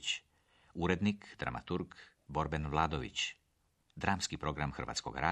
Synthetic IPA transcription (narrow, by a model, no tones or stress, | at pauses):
t͡ɕ | uɾed̪nikd̪̥ɾa̰ma̰t̪uɾɡ | bo̞ɾbenʋlˠaːd̪oʋḭt͡ɕ | d̪ɾaːmskipɾo̞ɡɾamxr̩ʋa̰t̪sko̞̰ɡa̰ɾa